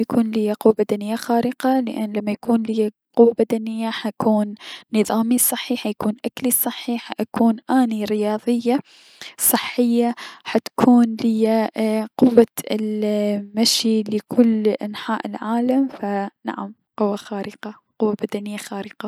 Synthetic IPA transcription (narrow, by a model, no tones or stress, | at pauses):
jakʰuːnlɪjːaqʊwːabad̪anɪjːaxaːɾʔɪqɑlɪʔanːlamːajakuːnlɪjːa | qʊwːabad̪anɪjːaħakʰuːnːɨðˤɑːmisˤɨħːiːħajakuːnʔaklisˤɨħːiħaʔakuːnʔaːniɾɪjɑːðˤɪjːa | sˤɨħːɪjːaħat̪kʰuːnlɪjːaqʊwːaɪ̰lmaʃilɪkʰʊlːʔanħaːʔɪlʕaːlamfana̰ʕam | qʊwːaxaːɾɪqɑ | qʊwːabad̪anɪjːaxaːɾɪqɑ